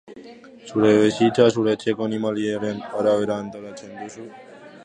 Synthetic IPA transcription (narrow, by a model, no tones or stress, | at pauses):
ʃuɾeʋeʃit͡ʃʰaʃ̬uɾet͡ɕʰekonimalieɾenɔɾaeɾant̪ɔlat͡ɕʰend̪uʃu